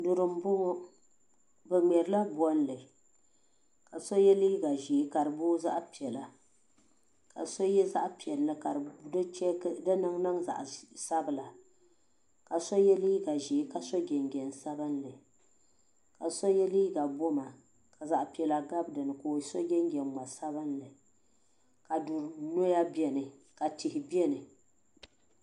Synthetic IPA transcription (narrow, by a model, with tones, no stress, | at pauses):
dʊ˨ɾɨ˨m̩˦bʊ˦ | bɨ˨ŋ͡mɛ˨ɾɨ˨la˦bɔ˦n˦lɨ˨ | ka˨so˦jɛ˦liː˦ɡa˨ʒi˨˦ka˨ɾɨ˨bʊ˦za̰˦ʔpi˨ɛ˨la˨ | ka̰˨so˦jɛ˦za˦ʔpi˨ɛ˨lːɨ˦ka˨ɾdɨ˦t͡ʃɛ˦dɨ˦nɨ˦ŋnɨ˦ŋza̰˨ʔsa˦bɨ˨la˨ | ka˨so˦jɛ˦liː˦ɡa˨ʒi˨˦ka˨so˦ɡʲɛ˨ŋɡʲɛ˨n˨sa˦bɨ˦nlɨ˨ | ka˨so˦jɛ˦liː˦ɡa˨bo˦ma˨ | ka˨za˨ʔpi˨ɛ˨la˨ɡa˦bdɨ˨nɨ˨koː˨˦so˦ɡʲɛ˦ŋɡʲɛ˨mma˨sa˦bɨ˦nlɨ˨ | ka˨dʊ˨ɾno˦ja˦bi˦ɛ˨nɨ˨ka˨tɪ˨hɪ˨bi˦ɛ˦nɨ˨